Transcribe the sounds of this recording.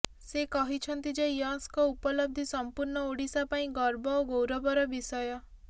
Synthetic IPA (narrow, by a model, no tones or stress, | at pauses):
sekɔɦit͡ʃʰɔnt̪id͡ʒejɔ̃skɔupɔlɔb̚d̪ʱisɔmpuɾɳɔoɽisapaĩɡɔɾbɔoɡowɾɔbɔɾɔbisɔjɔ